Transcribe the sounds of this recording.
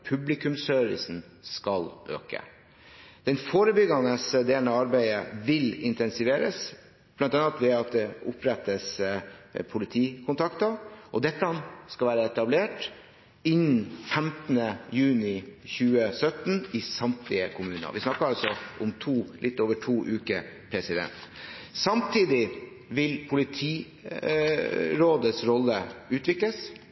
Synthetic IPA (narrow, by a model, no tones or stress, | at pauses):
pʰʉblɪkʉmsøɾʋɪ̰sn̩ | skɑlø̰ːkə̰ | d̪̥ɛnfoːɾəbʏɡɑnəsd̪eːlnəɑɾbæɪəʋɪlɪnt̪ʰɛnsɪʋeːɾə̰s | b̥lɑnt̪ɑnɑt̪ʋɛɑt̪̚d̪ɛʊpɾɛt̪ːəs | pʰʊlɪt̪ʰiːkʰʊnt̪ʰɑkt̪ɑʔɔd̪ɛt̪ːəɑnskɑlʋæːɾəɛt̪ɑbleːʈ | ɪnfɛmt̪nəjʉːnɪçʉːəsœt̪nɪsɑmt̪ʰɪəkʰʊmʉːnɑ̰ʋɪsnɑkːəɾɑlsɔʔʊmt̪ʰuːlʔɪt̪ːoːʋəʈʰuːʔʉːkə | pʰɾɛsɪd̪ɛ̰nt̪sɑmt̪ʰiːd̪ɪ | ʋɪlpʰʊlɪt̪ʰiː | ɾoːd̪əsɾɔlːəʉːt̪ʋɪkləs